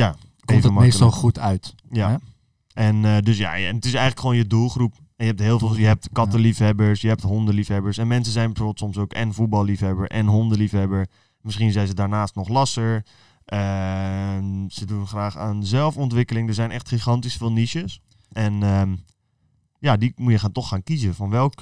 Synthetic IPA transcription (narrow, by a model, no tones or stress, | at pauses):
jaː | emvtəəmmejslˠχutœɥt | ja | ʔɛndɵsja̰ːɛnətɪs̬ɛjχələkχʋownjədulˠχrup | ɛnjəɦɛp̚tɦɪːlˠvjəɦɛp̚tkɑtəlifɦɛbəɹsjəɦɛp̚tɦɔndəlifɦɛbəɹsɛnmɛnsəzɛjnbəfoːbəlˠtsɔmsowkɛ̰nvut̚bɑlˠlifɦɛbəɹʔɛ̰nɦɔndəlifɦɛbəɹ | mɪsχinzɛjnzədaːɹnaːstnɔχlɑsəɹ | ʔə | sədunχraːχaːnzɛlˠfɔntʋɪkəlɪŋdəɹzɛjnɛχtχiχɑntisfɪːlˠniʃəs | ʔɛnə | jadimujəχaːntɔχaːnkizəfɑnʋɛlˠk